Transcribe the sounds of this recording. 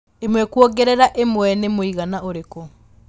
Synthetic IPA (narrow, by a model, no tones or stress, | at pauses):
emwɛkwɔɡɛɾɛɾaʔemwɛnemoiɣanaoɾeko